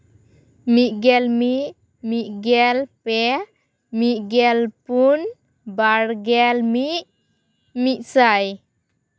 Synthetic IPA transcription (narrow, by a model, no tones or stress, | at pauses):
miʔ̚ɡɛlmiʔ | miʔ̚ɡɛlpɛ | miʔ̚ɡɛlpun | baɽɡɛlmiʔ̚ | miʔ̪̚saj